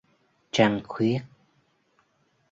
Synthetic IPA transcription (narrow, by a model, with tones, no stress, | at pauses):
t͡ɕa˧ŋxwi˦˥ət̚